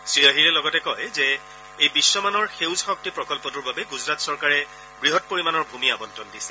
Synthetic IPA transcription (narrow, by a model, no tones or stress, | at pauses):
sɹijaɦiɹɛlɔɡɔtɛkɔjzɛ | ejbisːɔmanɔɹxewzxɔk̚tipɹɔkɔlpɔtʊɹbabɛɡuzɹatsɔɹkaɹɛ | ɡɹiɦɔt̚poɹimanɔɹbʱumiabɔntɔndisɛ̥